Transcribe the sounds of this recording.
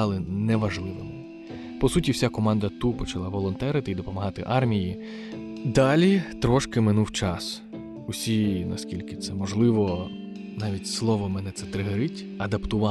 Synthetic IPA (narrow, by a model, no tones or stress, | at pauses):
ɑlˠɪnɛʋɐʒlˠɪʋɪmɪ | pɔsutʲiwsʲakɔmɑnd̪ɐt̪upɔt͡ʃɐlˠɑʋɔlˠɔnt̪ɛɾɪt̪ɪid̪ɔpɔmɐɦɑt̪ɪʔɑrmʲiji | d̪ɑlʲit̪ɾɔʃkɪmɪnuwt͡ʃɑs | ʊsʲinɐ̰skʲilʲkɪt̪sɛmɔʒlˠɪʋɔ | nɑʋʲitʲslˠɔʋɔmɛnɛt̪sɛt̪ɾɪɦeɾɪtʲ | ɐd̪ɐpt̪ʊʋɑ